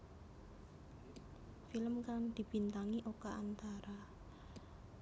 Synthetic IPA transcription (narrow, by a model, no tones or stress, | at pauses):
filəmkaŋd̪̥i̤b̥i̤nt̪aŋiʔokaant̪aɾa